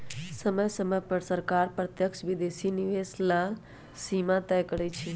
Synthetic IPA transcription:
səməjsəməjpəɾsəɾkaɾpɾət̪jəkʃʋid̪esiniʋesla | simãt̪ɛjkəɽɛt͡ʃʰi

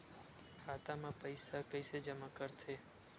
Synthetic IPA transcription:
kʰat̪amãpəjsakəjsed͡ʒəmakəɾt̪ʰe

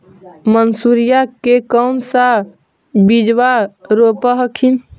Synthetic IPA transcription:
mənsuɾijakekəʊnsa | bid͡ʒwaɾopəɦəkʰin

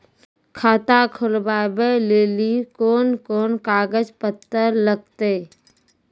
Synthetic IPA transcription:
kʰaːt̪akʰʊlbaːbeleːlikoːnkoːnkaːɡəd͡ʒpət̪ːəɾləɡ̚t̪eː

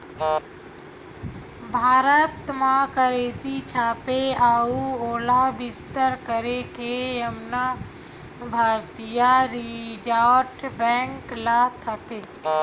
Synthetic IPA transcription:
bʱaːɾət̪mãkəɾeːsit͡ʃʰaːpeaːuoːlabɪst̪əɾkəɾekeəmna | bʱaːɾt̪ijaɾid͡ʒaʈbɛ̃ːŋklat̪ʰəke

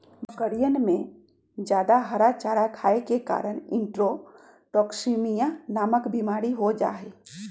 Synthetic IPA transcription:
məkəɽijənmẽ | d͡ʒjaːd̪aɦəɾat͡ʃaːɾakʰaːekeka̰ːɾəɽɪ̰̃ɳʈɾo | ʈɔːksimijãnaːməkbimaːɾiɦod͡ʒa̰ːɦeː

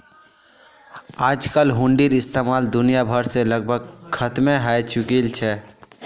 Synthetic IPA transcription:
ad͡ʒkəlɦuɳɖiɾist̪emald̪unijabʱəɾseləɡbʱəɡ̚kʰːət̪meɦajt͡ʃukilt͡ʃʰɛ

